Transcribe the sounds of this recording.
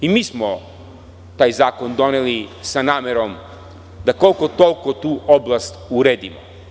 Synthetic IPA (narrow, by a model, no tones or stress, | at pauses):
imiːsmo | t̪aːjzaːko̞nd̪o̞nelisanaːmeɾo̞m | d̪ako̞lˠkot̪o̞lˠkot̪uːʔoblˠast̪uɾeːd̪imo̰